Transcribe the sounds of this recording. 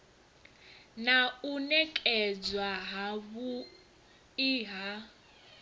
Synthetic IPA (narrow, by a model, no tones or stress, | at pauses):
naunɛkʼɛd͡zwaɦaβu | iɦa